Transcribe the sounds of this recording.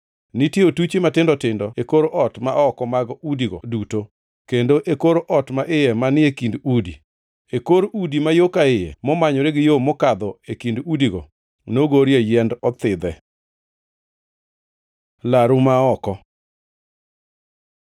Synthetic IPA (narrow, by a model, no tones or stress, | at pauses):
nitjeotut͡ʃimatɪndɔtɪndɔekoɾoʔɔtmaɔkɔmaɡɔudiɡoduto | kendoʔekoɾoʔɔtmaʔɪjɛmanɪekindudḭ | ekoɾoudimajokaɪjḛmɔmaɲɔɾeɡɪjomɔkad̪ɔekindudiɡo̰ | noɡoɾjejɛndɔt̪ɪd̪ɛ | laɾumaɔkɔ